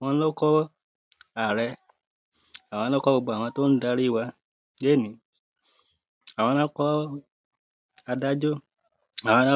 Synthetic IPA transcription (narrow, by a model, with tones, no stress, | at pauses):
w̃ɔ̃˧n̩˦lo˦kɔ˦ | a˨ɾɛ˧ | a˨w̃ã˧˦lo˦kɔ˦bo˧ɡ͡bo˧˨a˨w̃ɔ̃˧to˦n̩˦da˧˦ɾi˦˨wa˧ | je˦˨nĩ˨˦ | a˨w̃ɔ̃˧nã˦kɔ˦ | a˧da˦d͡ʒo˦ | a˨wɔ̃˧nã˦